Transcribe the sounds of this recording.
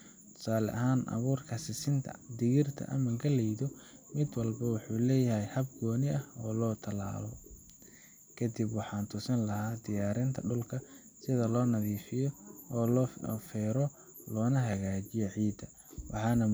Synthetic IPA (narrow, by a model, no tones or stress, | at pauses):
t̪ʰʊ̥saːlɛ̰ʔɐɦaːnʔɐ̰βuːrkʰɐsɪsɪnt̪ʰɐ̰d̪ɪɣɪrt̪ʰɐ̰ʔɐmɐɡɐlɛjðɔ | mɪd̪wɑlbɐwʊħuːlɛːjɐɦɛjhɐb̚ɡɔːnɪɐhɔːlɔːt̪ʰɐla̰ːlɔ̰ | kʰɐd̪ɪbwɑħɑːnt̪ʰʊsɐnlɐhaːd̪ɪjaːɾɪnt̪ʰɐɖʊlkʰɐ | sɪðɐlɔːnɐðiːfɪjɔːlfɛːɾɔ | lɔːnɐɦɐɣaːt͡ʃɪjɛʕiːd̪ɐ | wʔɑ̰ħɑːnɐ